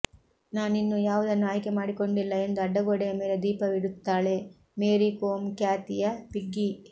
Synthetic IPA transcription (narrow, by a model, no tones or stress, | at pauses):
naːninːujaːʋud̪ɐnːuaːjkemaːɽiko̞ɳɖilːɐe̞nd̪uɐɖːɐɡoːɽɛjɐme̞ːled̪iːpɐʋiɽut̪ːaːɭe̞ | meːɾikoːmkjaːt̪ijɐpiɡːi